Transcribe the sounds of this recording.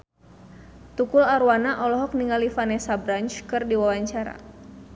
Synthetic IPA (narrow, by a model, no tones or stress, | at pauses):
t̪ukʊlaɾwanaʔɔlɔɦɔk̚niŋalifanɛsabɾant͡ʃkɨrdiwawaɲt͡ʃaɾa̰